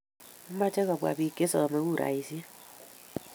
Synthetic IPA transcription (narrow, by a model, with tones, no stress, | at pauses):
ma˦t͡ʃɛ˦kɔ˨bwa̰˨bi˨ke˦sɔ˨ɔ˨me˨˦ku˦˨ɾa̰˨i˨sje˦